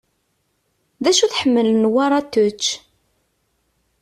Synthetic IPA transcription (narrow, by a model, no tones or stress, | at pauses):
ðæʃuθħəmːələnwaɾˤɑt̪ːʊt͡ʃː